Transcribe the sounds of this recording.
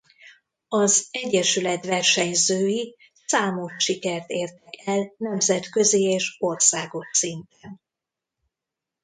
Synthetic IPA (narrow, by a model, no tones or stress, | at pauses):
ɒzɛɟɛʃylɛt̪ʋɛrʃɛɲzøːji | saːmo̞ʃːikɛrt̪eːrt̪ɛkɛlnɛmzɛt̪kø̞zieːʃo̞rsaːɡo̞ʃsint̪ɛn